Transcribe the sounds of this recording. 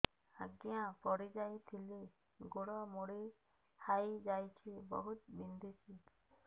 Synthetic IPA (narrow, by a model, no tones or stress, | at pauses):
aɡjãpɔɽid͡ʒajt̪ʰili | ɡoɽɔmoɽi | hajd͡ʒajt͡ʃʰibɔ̰ɦut̪̚bind̪ʱit͡ʃʰi